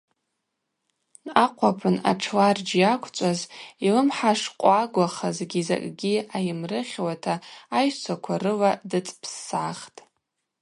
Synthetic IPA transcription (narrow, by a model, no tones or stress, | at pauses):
naqʷʰapʰɨna̰ʈ͡ʂʰlard͡ʒjakʷʰt͡ʃʷʼazilɨmħaʂqʷʼaɡʷaχazɡʲiza̰kʼɡʲiajɪmrɨχʲwatʰaːjt͡sʷʰakʷʰarɨladɨt͡sʼpʰsːʕaχtʼ